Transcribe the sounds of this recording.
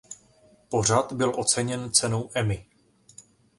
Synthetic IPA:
po̞r̝at̪bɪlʔo̞t͡sɛɲɛnt͡sɛno̞wʔɛmɪ

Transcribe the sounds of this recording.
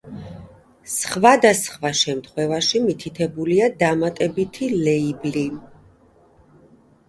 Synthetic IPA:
sχvad̪asχvaʃɛmt̪ʰχwɛvaʃimit̪ʰit̪ʰɛbuliad̪amat̪ʼɛbit̪ʰilɛibli

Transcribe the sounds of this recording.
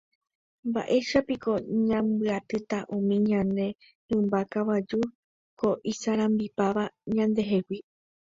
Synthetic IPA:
mba̰ʔe̞ʃapiko̞ɲãmbɨat̪ɨt̪aʔũmĩɲãnd̪e̞ | hɨ̃mbakawad͡ʒu | ko̞ʔisaɾ̃ãmbipaʋaɲãnd̪e̞ɦe̞wi

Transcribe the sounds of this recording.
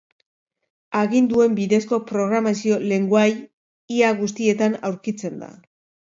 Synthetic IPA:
aɣind̪ue̞mbiðe̞sko̞pɾo̞ɣ̞ɾamasio̞le̞ŋɡuaj | iaɣust̪ie̞t̪anawɾkit͡se̞nd̪a̰

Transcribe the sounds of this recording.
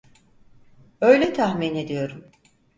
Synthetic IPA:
ø̞jlʲɛt̪ʰahmine̞d̪ijo̞ɾum

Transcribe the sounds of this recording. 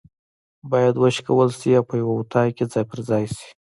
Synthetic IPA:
bɑjad̪wəʃkawəlsiawpəjawaut̪ʰɑjked͡zɑjpəɾzɑjsi̥

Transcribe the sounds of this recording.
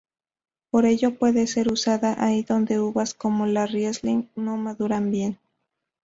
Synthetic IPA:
po̞ɾe̞ʝo̞pwe̞ðe̞se̞ɾusaðaʔaiðo̞nd̪e̞uβasko̞mo̞larjezliŋno̞maðuɾambje̞n

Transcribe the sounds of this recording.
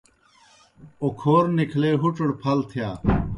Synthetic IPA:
okʰoːɾnikʰleːɦuʈ͡ʂɽpʰɐlt̪ʰijaː

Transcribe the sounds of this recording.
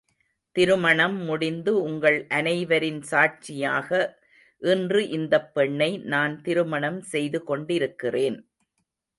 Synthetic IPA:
t̪ɪɾɯmɐɳɐmːʊɽɪnd̪ɯʊŋɡɐɭʔɐnɐɪʋɐɾɪnsaːʈ̚t͡ʃɪjaːɣɐ | ʔɪndrɯʔɪnd̪ɐpːɛɳːɐɪnaːnt̪ɪɾɯmɐɳɐmsɛjðɯkɔɳɖɪɾɯkːɪreːn

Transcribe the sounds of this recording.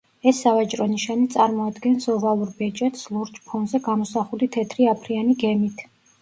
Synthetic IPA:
ɛsːavat͡ʃʼɾɔniʃanit̪sʼaɾmɔad̪ɡɛnsɔvalˠuɾbɛt͡ʃʼɛt̪slˠuɾt͡ʃʼpʰɔnzɛɡamɔsaχulit̪ʰɛt̪ʰɾiapʰɾianiɡɛmit̪ʰ

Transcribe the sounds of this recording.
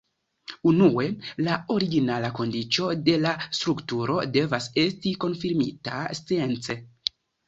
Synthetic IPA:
unue̞lao̞ɾiɡinalako̞ndit͡ʃo̞de̞lastɾuktuɾo̞de̞vase̞stiko̞nfiɾmitast͡sie̞nt͡se̞

